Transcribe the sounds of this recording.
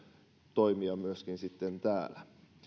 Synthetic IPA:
t̪oimiɑmyəskinsit̪ːent̪æːlæ

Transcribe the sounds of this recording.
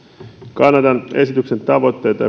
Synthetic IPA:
kɑnːɑt̪ɑnʔe̞sit̪ykse̞nt̪ɑʋo̞t̪ːe̞jt̪ɑ̰

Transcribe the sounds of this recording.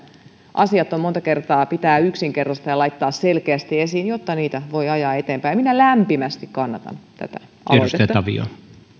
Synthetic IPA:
ʔɑsiɑt̪ːommont̪ɑkert̪ɑːpit̪æːyksiŋkerːɑst̪ɑjɑlɑit̪ːɑːsselkeæst̪iesiːnjot̪ːɑniːt̪æʋoiɑjɑːet̪eːmpæjminælæmpimæst̪ikkɑnːɑt̪ɑ̰nt̪æ̰t̪æ̰ | ɑ̰ɾyst̪eæt̪ːɑʋḭo̰

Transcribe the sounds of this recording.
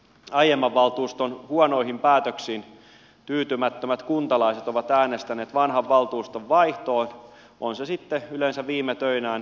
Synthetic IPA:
ɑjemːɑʋːɑlt̪uːst̪onhuɔno̞ihimpæːt̪øksiːn | t̪yːt̪ymæt̪ːømæt̪kunt̪ɑlɑiset̪oʋɑt̪æːnest̪æneːt̪ʋɑnɦɑʋːɑlt̪uːst̪oʋʋɑiht̪oːn | ʔonsesit̪ːeylensæʋʋiːmːet̪øinæːn

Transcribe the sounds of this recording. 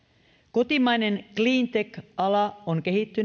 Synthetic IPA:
ko̞t̪imɑjne̞nkliːnt̪ekɑlɑoŋk̟e̞ɦit̪ːy

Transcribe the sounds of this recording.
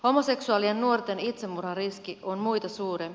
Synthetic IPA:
ho̞mose̞ksuɑliennuo̞rt̪e̞nit̪semːurɑriskionmujt̪ɑsuːɾem

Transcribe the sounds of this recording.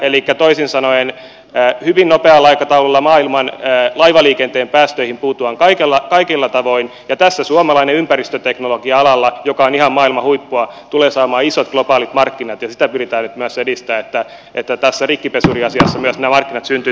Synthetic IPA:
elikːæt̪oisinsɑnoenː | hyʋinnopeɑlːɑikɑt̪ɑululːɑmɑːilmɑnlɑiʋɑliːkent̪eːmpæːst̪øihimpuːt̪uɑŋkɑikelːɑkɑikilːɑt̪ɑʋoinjɑt̪æsːæsuɑmɑlɑineympærist̪øt̪eknoloɡiɑɑlɑlːɑjokɑonihɑmmɑːilmɑhuipːuɑt̪uleːsɑːmɑːisot̪ɡ̥lopɑːlit̪mɑrkːinɑt̪jɑsit̪æpyrit̪æːnnyt̪myøsedist̪æːet̪ːæ | et̪ːæt̪æsːærikːipesuriɑsiɑsːɑmyæsnæmɑrkːinɑt̪synt̪y

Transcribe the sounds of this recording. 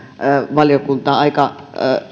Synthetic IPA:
ʋɑljokunt̪ɑːɑikɑ

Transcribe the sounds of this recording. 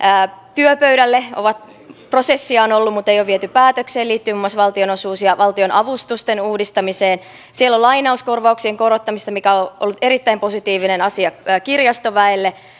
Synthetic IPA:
t̪yøpøɥɾælːeo̰ʋɑt̪ | pro̞sesːiɑonolːumut̪ːˑejoʋiet̪ypæːt̪økseːliːt̪ːyimumːɑsʋɑlt̪io̞nosuːsjɑʋɑlt̪io̞nʔɑʋust̪ust̪enuːdist̪ɑmiseːn | sielːolːɑinɑuskorʋɑuksieŋko̞ɾot̪ːɑmist̪ɑmikæoʔolːut̪e̞ɾit̪ːæimpo̞sit̪iːʋinenɑsiɑːkirjɑst̪oʋæelːe

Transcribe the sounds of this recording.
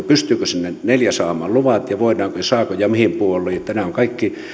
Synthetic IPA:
pyst̪yːkøsinːeneljæsɑːmɑ̰ːlluʋɑt̪jɑʋoˑinˑɑːŋkojɑsɑːkojɑmihimpuolːˑejjɑt̪ænæoŋkɑikːi

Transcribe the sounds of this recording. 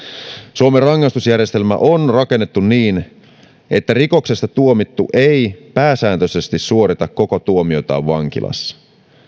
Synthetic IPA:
suomerɑŋːɑst̪usjærje̞st̪e̞lmæ̰ʔo̞nrɑke̞nːet̪ːunniːn | ʔe̞t̪ːæriko̞kse̞st̪ɑt̪uo̞mit̪ːuʔejpæːsæːnt̪øse̞st̪issuo̞ɾit̪ɑkːo̞kot̪uomio̞t̪ɑ̰ːʋʋɑŋk̟ḭlʔɑ̰sːɑ̥

